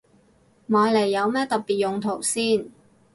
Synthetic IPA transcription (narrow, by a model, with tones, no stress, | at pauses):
maː˨˧˥jle˨˩jːɐ˨˧wmɛː˥t̪ɐ˨t̚pːiː˨t̚jʊ˨ŋt̪ʰo˨˩wsiː˥˩n